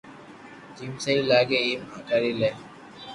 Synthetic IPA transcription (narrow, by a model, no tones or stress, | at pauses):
d͡ʒiːmsəiːlaːɡeːiːmaːkaɽiːleː